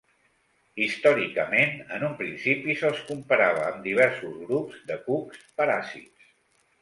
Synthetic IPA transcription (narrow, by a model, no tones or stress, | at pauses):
ist̪ɔɾikəmenənumpɾinsipisəlˠskumpəɾaβ̞əːmd̪iβ̞ɛɾsuzɣɾupzd̪əkupspəɾasḭts